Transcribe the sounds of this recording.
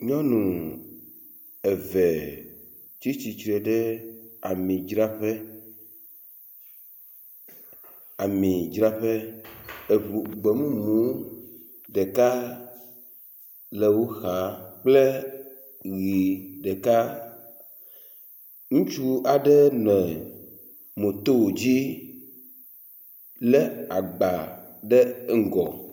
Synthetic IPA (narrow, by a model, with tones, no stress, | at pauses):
ɲɔ̃˦nũ˨ | ɛ˨vɛ˨ | t͡ʃi˦t͡ɕi˨t͡ʃɾɛ˨ɖɛ˦a˨mĩ˨d͡ʒɾa˦ɸɛ˦ | a˨mĩ˨d͡ʒɾa˦ɸɛ˦˨ | ɡ͡be˨mũ˦mũ˨˦ | ɖɛ˨ka˦ | lɛ˨wo˦xa˨k͡plɛ˦ | ɣi˨ɖɛ˨ka˦ | ŋũ˦t͡ʃu˦a˨ɖɛ˦nɛ̃˨ | mõ˨t̪o˦wo˨d͡ʑi˦ | lɛ˦a˨ɡ͡ba˨ | ɖɛ˦ŋ̩˨ɡɔ̰˨